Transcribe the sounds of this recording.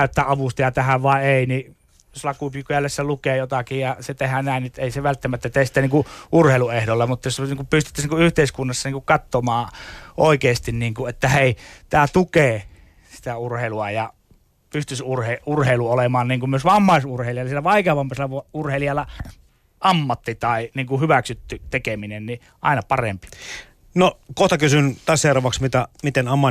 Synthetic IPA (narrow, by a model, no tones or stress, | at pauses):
øt̪ːæːʔʔɑʋust̪ɑjɑt̪æhæʋʋɑˑeeˑini | joslɑkupykujælːesːelukeːjot̪ɑkijjɑset̪ehænæˑinnet̪ːeˑiseʋælt̪ːæmæt̪ːæt̪eˑːsi̥t̪ːˑæniːŋkuʔurheˑiluehdolːɑmut̪ːɑjosniːŋkupyst̪y̥t̪ːæsniːŋkuyht̪eˑiskunːɑsːɑniːŋkukkɑt̪ːomɑːʔoˑikeˑːst̪inniːŋkuet̪ːæheˑit̪æːt̪ukeː | si̥t̪æurheˑiluɑjɑ | pyst̪ysurheurheˑiluolemɑːnniːŋkummyøsʋɑmːɑˑisurheˑilijɑlɑsielæʋɑˑikeɑʋɑmːɑselːɑʋurheˑliɑlːɑ | ʔɑmːɑt̪ːit̪ɑˑiniːŋkuhyʋæksyt̪ːyt̪ekeminenni | ʔɑ̰ˑinɑpɑrempi̥ | nokoht̪ɑkysynt̪ɑˑsseorɑʋɑksmit̪æmit̪enɑmːɑ